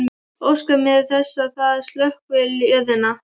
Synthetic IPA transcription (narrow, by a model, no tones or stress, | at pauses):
owskamɪðθɛsːaθað̥st̪lœhkvɪlœðɪna